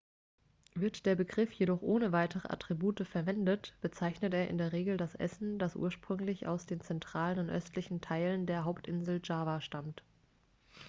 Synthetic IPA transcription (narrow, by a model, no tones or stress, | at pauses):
vɪɐtd̥eːɐbəɡʁɪfjeɾɔχʔoːnəvaɪtʰəʁə̰ʔa̰tʁ̥ibuːtəfɛɐvɛndətb̥ət͡saɪçnəteːɐʔɪ̰ndeːɐʁ̞eːɡl̩dasʔɛ̰sn̩d̥asʔṵːɐʃpʁ̥ʏŋlɪça̰ʊsd̥eːnt͡sɛntʁ̥aːlənʊntʔœ̰stʰlɪçn̩tʰaɪləndeːɐɦaʊptʔɪnzl̩d͡ʒaːvaʃtamt